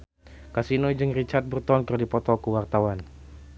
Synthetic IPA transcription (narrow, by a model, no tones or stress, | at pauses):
kasinɔd͡ʒɨŋrit͡ʃart̪̚bərt̪ɔnkərdipɔt̪ɔkuwart̪awan